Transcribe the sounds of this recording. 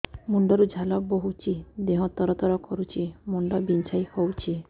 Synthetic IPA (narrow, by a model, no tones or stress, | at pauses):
muɳɖɔɾud͡ʒʱalɔboɦut͡ʃʰid̪eɦɔ̃t̪ːɔɾɔt̪ɔɾɔkɔɾut͡ʃʰimuɳɖɔbint͡ʃʰajhowt͡ʃʰi